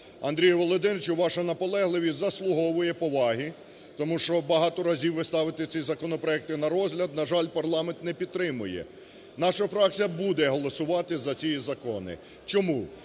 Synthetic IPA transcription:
ɐ̰nd̪ɾʲijɐʋɔlˠɔd̪ɪnt͡ʃʊʋɑʃɐnɐpɔlˠɛɦlˠɪʋʲizɐslˠʊɦɔʋʊjɛpɔʋɑɦi | t̪ɔmuʃt͡ʃɔbɐɦɑt̪ɔɾɐzʲiwːɪst̪ɑʋɪt̪ɪt͡sʲizɐkɔnɔpɾɔɛk̚t̪ɪnɐɾɔzʲɦlʲɐd̪̚nɐʒɑlʲpɐrlˠɑment̪nɛpʲid̪̚t̪ɾɪmʊjɛ̰ | nɑʃɐfɾɑk̚t͡sʲijɐbud̪ɛɦɔlˠɔsʊʋɑt̪ɪzɐt͡sʲijizɐkɔnɪ̰ | t͡ʃɔmu

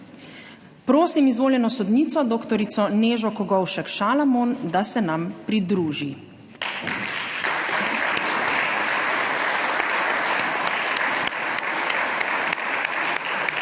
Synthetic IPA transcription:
pɾoːsimizʋoːljɛnɔsɔd̪niːt̪sɔd̪oːkt̪ɔɾisɔneːʒɔkɔɡɔwʃɛkʃaːlamond̪asɛnampɾid̪ɾuːʒi

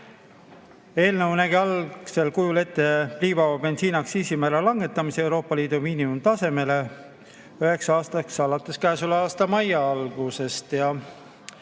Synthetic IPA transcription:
e̞ːlnəwnæɡiɑl̥se̞lkujule̞t̪ˑːe̞pliːvɑɑbe̞nt̪siːnɑksiːsimæːɾɑlɑŋɡ̥e̞t̪ːˑɑmisee̞wɾo̞ːpːˑɑliːd̪̥umiːnimumt̪ɑse̞me̞le̞ | yɦe̞ksɑɑːst̪ɑksɑlɑt̪ːˑe̞skæːsulɑːst̪ɑmɑjɑɑlɡ̥use̞st̪jɑ

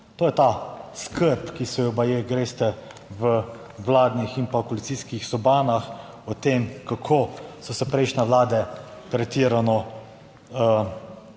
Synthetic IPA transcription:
t̪oːjɛt̪askəɾpkisɛjɛbajeɡɾeːst̪ɛ | ʋə | ʋlaːd̪nixinpakɔlit̪siskixsɔbaːnax | ɔt̪emkakʰosɔsɛpɾɛɪʃnʲɛʋlaːd̪ɛpɾɛt̪iːɾanɔ | ə

